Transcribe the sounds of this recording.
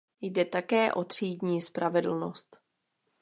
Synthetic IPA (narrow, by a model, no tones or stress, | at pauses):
jdɛt̪akɛːʔo̞t̪r̝̥iːdɲiːspɾʔavɛdl̩no̞st̪